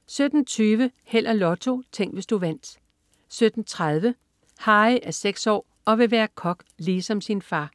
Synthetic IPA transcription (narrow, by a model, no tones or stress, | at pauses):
sød̥n̩t͡sʰyːʋə | hel̰ɐlɒ̽t͡sʰo̝t͡sʰeŋ̰ɡ̥ʋe̝sd̥uʋæn̰d̥ | sød̥n̩t͡sʰʁað̞ˠʋə | hɑ̈ːɪʔæɐseɡ̥sɒ̰ː | ɒ̽ʋe̝ʋæːɐkʰɒ̽ɡ̥liːsɒ̽msinfɑ̈ː